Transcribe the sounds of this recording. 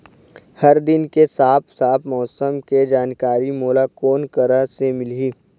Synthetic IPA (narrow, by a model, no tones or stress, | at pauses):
hɐɾd̪ɪnkesaːpʰsaːp̪ʰmɔːsəmked͡ʒaːnkaːɾimoːlakoːnkəɾasemɪliː